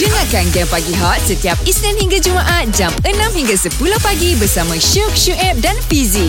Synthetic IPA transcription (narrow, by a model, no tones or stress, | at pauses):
dəŋãkanɡɛmpaɡiɦɔt̪̚sət̪iap̚isnɛnhiŋɡad͡ʒumãʔat̪̚d͡ʒamənãmhiŋɡasəpulohpaɡibərsamãʃuk̚ʃuʔɛp̚danpizi